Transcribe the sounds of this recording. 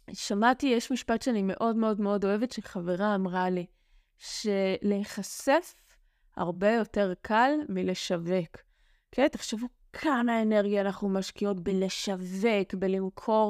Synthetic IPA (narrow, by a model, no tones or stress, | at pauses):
ʃamatijeʃmiʃpatʃeanime̞ʔo̞dme̞o̞dme̞o̞do̞e̞vetʃeχaveʁaːmʁali | ʃe̞leeχase̞f | ha̰ʁbe̞jo̞te̞ʁkʰalmile̞ʃave̞k | kʰːenteχʃevu | kʰanaeneʁɡijaːnaχnumaʃkio̞tbele̞ʃave̞kbelimkʰo̞ʁ